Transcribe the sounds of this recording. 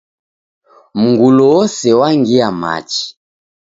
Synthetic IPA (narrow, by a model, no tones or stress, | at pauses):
m̩ŋɡulɔwɔsɛwaŋɡiama̰t͡ʃi̥